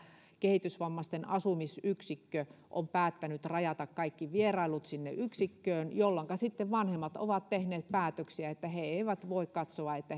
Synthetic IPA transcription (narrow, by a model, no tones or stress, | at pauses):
kehit̪ysʋɑmːɑst̪enɑsumisyksikːøʔo̰mpæːt̪ːænyt̪rɑjɑt̪ɑkkɑikːiʋierɑilut̪sinːḛʔyksikːøːnjolːɑŋkɑsit̪ːeʋʋɑnhemːɑt̪o̰ʋɑt̪t̪ehneːt̪̚pæːt̪øksiæet̪ːæheeiʋæt̪ʋoˑikkɑt̪soɑet̪ːæ